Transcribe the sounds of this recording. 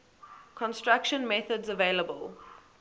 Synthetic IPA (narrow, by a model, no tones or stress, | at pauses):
kʰɔ̃nstɹakʃə̃nmɛθədzəveːləbəlˠ